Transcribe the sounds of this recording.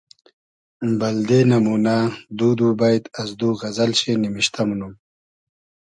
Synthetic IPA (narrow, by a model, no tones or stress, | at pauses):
bɐld̪enɐmuːnad̪uːd̪uːbajt̪ɐzd̪uːɣɐzɐlɕenimiɕt̪ʰɐmunum